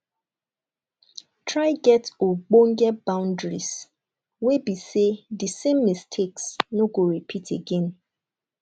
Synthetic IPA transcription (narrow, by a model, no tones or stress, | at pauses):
tʰɹaɪɡɛtoɡ͡bõŋ̩ɡɛbãʊ̃ndɹis | webisedɨsẽmːistʰeksnoɡoɹipʰitʰeɡɛ̃n